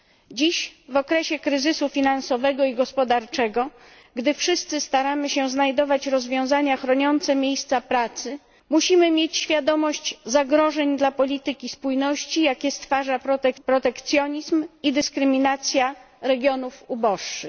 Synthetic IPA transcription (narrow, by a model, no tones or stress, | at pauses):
d͡ʑiɕvɔkɾɛɕɛkɾɘzɘsufʲinansɔvɛɡɔiɡɔspɔd̪aɾt͡ʂɛɡɔ | ɡd̪ɘfʂɘst̪sɘst̪aɾamɘɕɛznajd̪ɔvat͡ɕɾɔzvʲjɔ̃w̃zaɲaxɾɔɲɔnt̪sɛmʲjejst̪sapɾat̪sɘ | muɕimɘmʲjet͡ɕɕfʲjad̪ɔmɔɕt͡ɕzaɡɾɔʐɛɲd̪lapɔlʲit̪ɘkʲispujnɔɕt͡ɕijakʲɛst̪faʐapɾɔt̪ɛpɾɔt̪ɛkt̪sʲjɔɲizmid̪ɘskɾɘmʲinat̪sʲja | ɾɛɡʲjɔnufubɔʂt͡ʂɘx